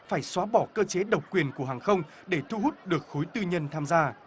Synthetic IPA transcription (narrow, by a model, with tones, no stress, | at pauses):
faː˧˩jswaː˨˦ɓɔ˧˩kəː˧t͡ɕe˨˦ɗə˨˩w̚kwi˨˩ənku˧˩əɦaː˨˩ŋxə˧wŋ͡m | ɗe˧˩t̪ʰu˧ɦu˦˥t̚ɗɨ˨˩ək̚xo˨˦jt̪ɨ˧ɲə˧nt̪ʰaː˧mzaː˧